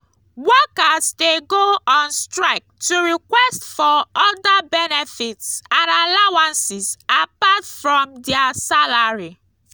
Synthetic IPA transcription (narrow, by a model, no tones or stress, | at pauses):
wɔkazdeɡoɔ̃nstɹaɪk̚tuɹikwɛstfɔɔdabɛnefɪtsãnalawãnsɪzapatfɹɔ̃mdɛasalaɹi